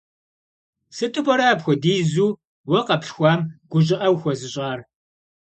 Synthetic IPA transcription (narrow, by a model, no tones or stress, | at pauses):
sɨtʼɨpʼɔɾɐːpxʷɔdiːzuː | wɐqɐpɬxʷaːmɡ̥ʷʊʑɪʔɐwxʷɔzɨɕʼaːr